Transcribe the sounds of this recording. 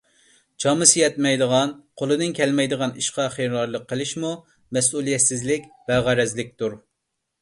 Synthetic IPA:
t͡ʃʰɑmɨsɨjɛt̪̚mɛjd̪əʁɑnqʰolˠɨd̪ɨnkʲʰɛlmɛjd̪əʁɑniʃqɑχeɾlˠɑɾlˠəqʰːəlˠɪʃmu | mɛsulˠijɛt̪sɪzlɪkʲbɛʁɑɾɛzlɪk̚ʲt̪uɾ

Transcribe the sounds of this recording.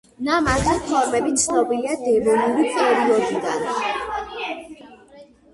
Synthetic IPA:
namat̪ʰispʰɔɾmɛbit̪sʰnɔbiliad̪ɛvɔnuɾipʰɛɔɾiɔɡid̪an

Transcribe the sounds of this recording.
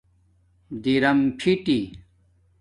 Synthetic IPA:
d̪iɾɐmpʰiʈi

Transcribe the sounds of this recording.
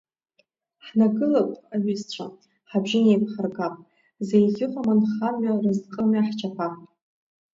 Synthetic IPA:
ħnaɡɨlakʷʼaɥizt͡ɕʷʰa | ħabʒɪnejpʰħarɡapʼ | zejɡʲɪqʼamanχamɥarɨzqʼəmɥaħt͡ʃʰapʰatʼ

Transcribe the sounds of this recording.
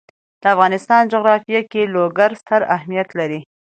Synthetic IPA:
d̪̥əafɣɑnɪst̪ɑnd͡ʒʊɣɾɑfjakeloɡaɾst̪aɾahmijat̪laɾi

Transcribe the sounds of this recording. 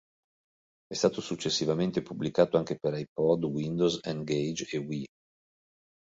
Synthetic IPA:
ɛst̪aːt̪osut͡ʃːesːivament̪epubːlikaːt̪oaŋk̟epeɾajpɔd̪wind̪ozɛnɡejd͡ʒewi

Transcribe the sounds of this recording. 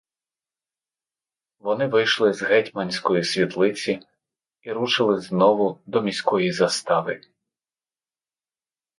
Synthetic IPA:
ʋɔnɪʋɪjʃlˠɪzɦɛtʲmɐnʲsʲkɔjisʲʋʲit̪lˠɪt͡sʲi | iɾut͡ʃɪlˠɪznɔʋʊd̪ɔmʲisʲkɔjizɐst̪ɑʋɪ

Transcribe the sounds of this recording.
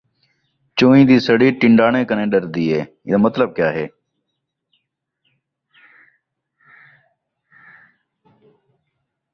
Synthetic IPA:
t͡ʃõːĩːd̪iːsəɽiːʈɪɳɖaːɳẽːkənẽːɗəɾd̪iːɦḛː | mət̪ləb̚kjaːɦḛː

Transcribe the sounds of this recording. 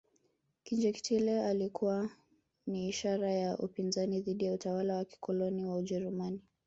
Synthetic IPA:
kind͡ʒɛki̥tʰilɛalikʰuwa | niːʃaɾajaʔupinzaniðiɗijautawalawaki̥kɔlɔniwauʄɛɾumani

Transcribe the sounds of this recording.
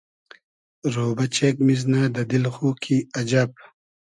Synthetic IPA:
ɾoːbɐt͡ɕeːkmiznaːd̪ɐd̪ilxuːkʰiɐd͡ʑab̚

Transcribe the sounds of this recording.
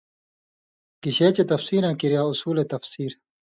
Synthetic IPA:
kiɕeːt͡ɕet̪ɐfsiːɾãːkiɾijaːusuːlet̪ɐfsiːɾ

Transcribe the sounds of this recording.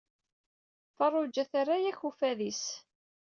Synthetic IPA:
fɑrˤːʊd͡ʒːæθarajæçufæðis

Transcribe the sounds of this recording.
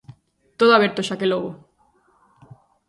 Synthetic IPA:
t̪oð̞oaβeɾt̪oʃakeloɣo

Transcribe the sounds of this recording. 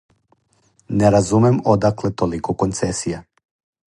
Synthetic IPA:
nɛɾazumɛmod̪aklˠɛt̪olikɔkont̪sɛsija

